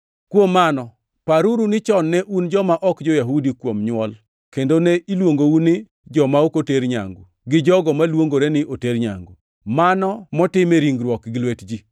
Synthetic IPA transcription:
kwomːanɔ | paɾuɾunɪt͡ʃɔnːɛʔund͡ʒɔmaʔɔkd͡ʒɔjaɦudikwomɲwɔl | kendoneʔilwoŋɡounɪ | d͡ʒɔmaokoteɾɲa̰ŋɡo̰ | ɡɪd͡ʒɔɡɔmalwoŋɡoɾenɪʔoteɾɲa̰ŋɡo | manɔmɔtɪmeɾiŋɡɾwɔkɡɪlwetd͡ʒi

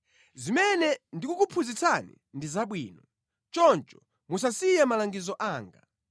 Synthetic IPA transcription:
zimɛnɛndikukupʰuzit͡sʰanḭ | ndizaɓwiːnɔ | t͡ʃɔnt͡ʃɔ̥ | mus̬asijamalaŋɡizɔʔaːŋɡa̰

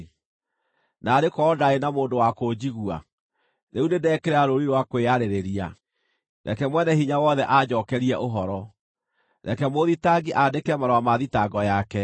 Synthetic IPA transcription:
naːɾekɔdaenamoːndowakod͡ʑiɣwa̰ | neunedɛkeɾaɾoɾiɾwakweaɾeɾeɾia̰ | nʔa̰kɛmwɛnɛhiɲawɔðɛʔad͡ʑɔːkɛɾiɛʔoɦɔɾɔ | nʔa̰kɛmoðitaɡiʔaːdekɛmaɾɔwamaðitaɡɔjakɛ

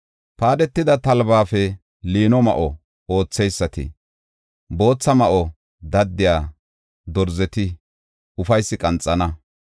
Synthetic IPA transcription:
paːd̪ɛt̪ːɪd̪ɐt̪ɐlbaːfɛ | liːnɔmɐ̰ʔɔ | o̞ːt͡sːɛjsːɐt̪ɪ̰ | bo̞ːt͡sːɐmɐʔɔ | d̪ɐd̪ːɪjaː | d̪ɔɾzɛt̪ɪ | ʊfɐjsːɪkʼɐnt͡sʼːɐnɐ

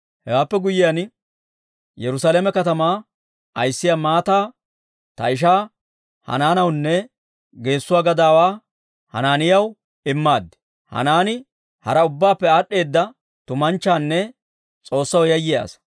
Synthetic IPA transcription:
hɛwaːpːɛɡʊjɪjan | jɛɾʊsaːlemɛkɐt̪ɐmaː | ɐjsːɪjaːmaːt̪aː | t̪ɐ̰ɪʃ̬aː | hɐ̰naːnɐwnːɛ | ɡe̞ːsːʊwaːɡɐd̪aːwaː | hɐ̰naːnɪjɐw | ɪmːaːd̪ːɪ̥ | hɐ̰naːnɪ | hɐɾɐʊbːaːpːɛaːɗːe̞ːd̪ːɐ | t̪ʊmɐnt͡ʃːaːnːɛ | t͡sʼo̞ːsːɐwjɐjːɪja̰ːs

